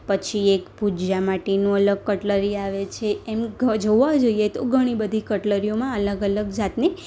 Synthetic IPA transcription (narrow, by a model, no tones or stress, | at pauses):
pət͡ʃʰiekpud͡ʒamaʈenũələɡ̚kəʈləɾiaʋet͡ʃʰeːmɡd͡ʒoʋad͡ʒoijet̪oɡʱəɽ̃ibəd̪ʱikəʈləɾijomãələɡələɡd͡ʒat̪ni